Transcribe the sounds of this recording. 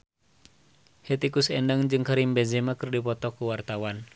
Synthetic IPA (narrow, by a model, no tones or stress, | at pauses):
hɛt̪ikusɛndaŋd͡ʒɨŋkaɾimbɛzɛmakɨrdipɔt̪ɔkuwart̪awan